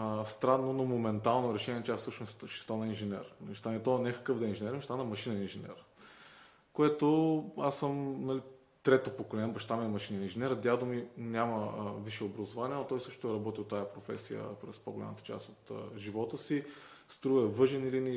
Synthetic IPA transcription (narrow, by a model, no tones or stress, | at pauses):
əst̪ɾanːonomomɛnt̪alˠnoɾɛʃɛniɛt͡ʃɛafsɤʃnosʃɛ̥st̪anəinʒɛnʲɛ̰ɾnlist̪amɛt̪ɔnɛkɐ̥kɤvd̪ɐinʒɛnɛɾmʃt̪anəmɐʃinɛinʒɛnʲɛ̰ɾ | koɛt̪oasːəmnɐli | t̪ɾɛt̪opokolɛnbɐʃt̪amɛmɐʃinɐinʒɛnɛɾəd̪ʲad̪ominʲjaməviʃɛobɾɐzovaniənot̪ɔjsɤʃt̪ʊɛɾɐbɔt̪ʲit̪ːajəpɾofɛ̰sijə̰pɾɛspoɡola̰mət̪ə̥t͡ʃa̰st̪ot̪ə̰ʒivɔt̪əsi | st̪ɾuvəɛvɤʒɛnilini